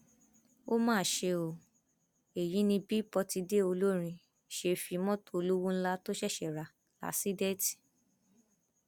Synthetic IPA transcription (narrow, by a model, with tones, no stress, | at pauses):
o˦mãː˦˨ʃe˧o˨ | e˨jĩ˨˦nĩ˧bi˦pɔ˧ti˧de˦o˧lo˦ɾ̃ĩ˧ | ʃe˧fi˧mɔ̃˦to˦˧o˧lu˦wũ˦n̩˦la˦to˦ʃɛ˦˨ʃɛ˨ɾa˨ | la̰˨˦si˦dɛ˦ti̥˨